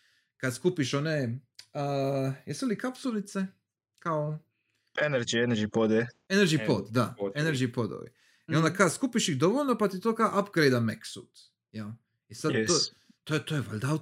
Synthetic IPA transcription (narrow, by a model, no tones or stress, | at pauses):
kad̪skupiʃoneəjesulikapsulit̪se | kao | eneɾd͡ʒieneɾd͡ʒipod̪ɛeneɾd͡ʒipod̪d̪aeneɾd͡ʒipod̪o̰ʋḭ | io̞nd̪akaskupiʃixd̪oʋoʎnopat̪it̪oːkaoʔapɡɾejd̪ameksṵt̪ | jal | isad̪o | t̪ojt̪ojeʋo̰lʲd̪a